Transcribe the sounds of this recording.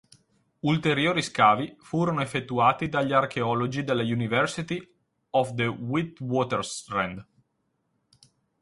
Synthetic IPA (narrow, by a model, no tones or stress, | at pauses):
ult̪eɾjoːɾiskaːvifuːɾonoefːet̪ːuaːt̪id̪aʎːiarkʰeɔlod͡ʒid̪elːejunivɛɾsit̪i | ɔfd̪ewit̪wɔːt̪ɛɾst̪ɾɛ̰nd̪